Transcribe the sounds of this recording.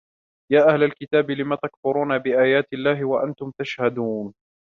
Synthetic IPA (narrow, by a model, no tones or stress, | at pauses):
jaːʔahlalkɪt̪aːbɪlɪmaːt̪akfʊɾuːnabɪʔaːjaːt̪ɪlːaːɦɪwaʔant̪ʊmt̪aʃhad̪uːn